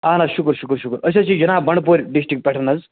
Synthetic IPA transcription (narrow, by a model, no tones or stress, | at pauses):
anaɕukəɾɕukəɾɕukəɾəɕ̬at͡ɕid͡ʑinabəɳpoɾʲɖisʈɾikʈ̚pɛʈʰənad͡z